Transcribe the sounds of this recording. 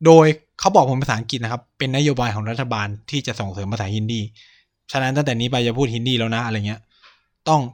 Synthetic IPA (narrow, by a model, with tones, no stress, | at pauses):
doː˧j | kʰa˦˥wbɔː˨˩k̚pʰo˩˦npa˧saː˩˦ʔa˦ŋki˨t̪̚na˦˥kʰa˦˥pːe˧nːa˦˥joː˧baː˧jkʰɔː˩˦ŋɾa˦˥t̪ʰːa˧baː˧nt̪ʰiː˥˩t͡ɕa˨˩ʔso˨˩ŋsɤː˩˦mpa˧saː˩˦hi˧˩ndiː˧˩ | t͡ɕʰa˦˥na˦˥nt̪a˥˩ŋt̪ɛː˨˩niː˦˥pa˧jt͡ɕa˨˩pʰuː˥˩hi˧˩ndiː˧lɛː˦˥wna˦˥ʔa˧ɾa˧jŋi˦˥ɐ | t̪ɔ˥˩ŋ